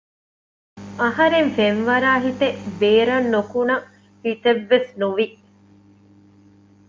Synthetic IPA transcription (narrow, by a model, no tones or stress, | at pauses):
ɐɦɐɾeɱfenʋɐɾaːɦit̪eʔbeːɾɐnːokunɐ | hit̪eʋːesnuʋi